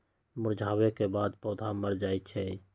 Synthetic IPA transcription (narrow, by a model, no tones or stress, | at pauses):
mʊɾd͡ʒʱaːwekebaːd̪pɔːd̪ʱaməɾd͡ʒaːit͡ʃʰɛ